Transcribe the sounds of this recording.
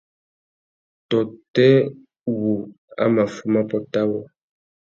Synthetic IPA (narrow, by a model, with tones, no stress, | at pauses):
tɔ˨tɛ˦ | wu˨ | a̰˦ma˨fu˦ma˦pɔ˦ta˦wɔ˨